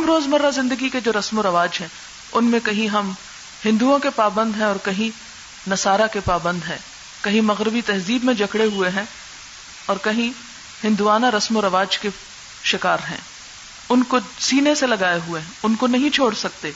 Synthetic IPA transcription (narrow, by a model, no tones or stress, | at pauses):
mɾoːzmɐɾːazɪ̃nd̪əɡiked͡ʒoːɾɐsmoɾɐʋaːd͡ʒɦɛ̃ː | ʊnmẽkɐɦĩɦɐm | hɪ̃nd̪uõkepaːbə̃nd̪ɦɛ̃ɔːɾkɐɦĩ | nɐsaːɾakepaːbə̃nd̪ɦɛ̰̃ː | kɐɦĩmɐɣɾɪbit̪ɐɦziːbmẽd͡ʒɐkɽeɦueɦɛ̃ | ɔːɾkɐɦĩ | hɪ̃nd̪uaːnaɾɐsmoɾɐʋaːd͡ʒke | ʃɪkaːɾɦɛ̰̃ː | ʊnkosiːneselɐɡaːeɦueɛ̃ʊnkonɐɦĩt͡ʃʰoːɽsɐk̚t̪eː